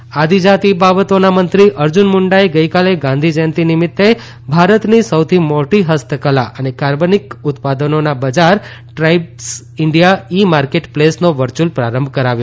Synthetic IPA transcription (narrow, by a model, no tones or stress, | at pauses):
ad̪ʱid͡ʒat̪ibabət̪onamənt̪ɾiʔəɾd͡ʒunmʊɳɖaeɡəjkaleɡãnd̪ʱid͡ʒənt̪inɪmɪt̪ːe | bʱaɾət̪nisəwt̪ʰimoʈiɦəst̪ʰəkəlaʔənekaɾbənikʊt̪pad̪ənonabəd͡ʒaɾ | ʈɾaibs | ɪɳɖijaimaɾkeʈplesnoʋəɾt͡ʃulpɾaɾəmbʱkəɾaʋjo